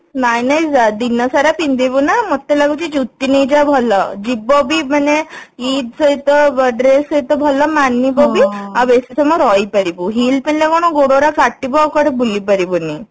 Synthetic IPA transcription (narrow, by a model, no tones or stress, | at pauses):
najnajd͡zad̪inːəsaɾapind̪ibunamət̪ːelaɡut͡ɕid͡ʑut̪ːinid͡ʑabʱɔləd͡ʑibɔbim̤əneiːd̪səit̪əbəɖɾesəit̪əbʱɔlɔmanːibɔbiaʋesisəmɔɾɔipəɾibuɦiːlpinlekɔɽ̃ɔɡoɽoɾakaʈːibɔwkəɽebulipəɾibuni